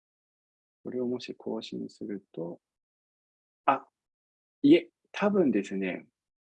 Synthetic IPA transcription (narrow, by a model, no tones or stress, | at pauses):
kɯɾiomoɕikʰoɕinsɯɡɯt̪o | a | je | t̪ʰabɯnd̪et͡ɕune